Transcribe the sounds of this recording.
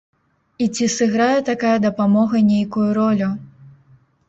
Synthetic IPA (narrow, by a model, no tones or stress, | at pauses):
it͡sʲisɨɣɾajɛt̪akajɐd̪ɐpamɔɣɐnʲejkujuɾɔlʲu